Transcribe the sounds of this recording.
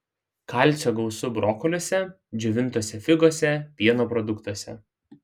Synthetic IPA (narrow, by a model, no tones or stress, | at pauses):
kɐlʲˑt̪sʲoːɡɔʊsʊbɾɔːkɔlʲoːsʲɛ | d͡ʒʲʊʋʲɪnt̪oːsʲɛfʲɪɡoːsʲɛpʲiɛnoːpɾɔd̪ʊkt̪uɔsʲɛ̰